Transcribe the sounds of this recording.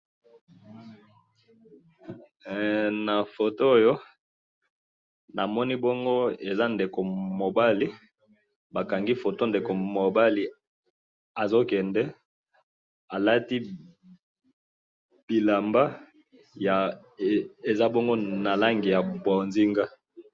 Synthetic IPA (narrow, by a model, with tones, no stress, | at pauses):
na˨fo˨to˦o˦˨jo˦ | na˨mɔ˦ni˦bɔ˦ŋɡo˦e˨za˦nde˨ko˨mo˨ba˦li˦ | ba˨ka˨ŋɡi˦fo˨to˦nde˨ko˨mo˨ba˦li˨ | a˨zo˦kɛ˨ndɛ˦ | a˨la˦ti˦ | b̥i˨la˨mba˦ | ja˨ | e˨za˦bɔ˦ŋɡo˦na˨la˦ŋɡi˨ja˨bwa˨nzi˦ŋɡa˦